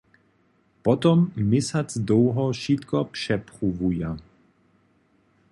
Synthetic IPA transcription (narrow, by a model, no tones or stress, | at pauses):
pɔt̪ɔmːɪsat͡sd̪oːɦɔʃit̪kɔpʂɛpχuvuja